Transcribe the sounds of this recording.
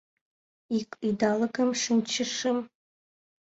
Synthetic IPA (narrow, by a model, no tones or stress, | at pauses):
ikʷʼidalɨɡɐmʂɨnt͡ʃʰɪʂɨm